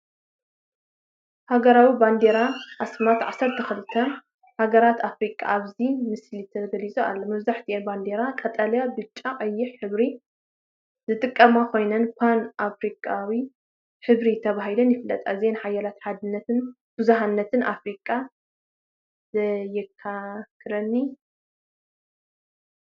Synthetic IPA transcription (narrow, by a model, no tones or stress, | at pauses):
haɡɐɾawiband̪e̞ɾaʔasmat̪ʕasɐɾt̪ʰɐxɨlɨt̪ʰːɐ | haɡɐɾat̪ʰafɾikʼa̰ʔaβzimɨslit̪ʰɐɡɐlizʼua̰lːomɐβzaħt̪ʰiʔenband̪e̞ɾakʼɐt̪ʼaljabɨt͡ʃʼːakʼɐjːɪħħɨβɾi | zɨt̪ʼɨkʼːɐmakʰo̞jnɐnpʰanafɾikʼawi | ħɨβɾit̪ʰɐβaɦilɐnjɪfɨlːɐ̰t̪ʼa̰zenħajalat̪ħad̪ɨnːɐt̪ɨn | b̥ɨzuɦanːɐt̪ʰɨnʔafɾikʼa | zɐjɪkʰːakʰɨɾɐnːi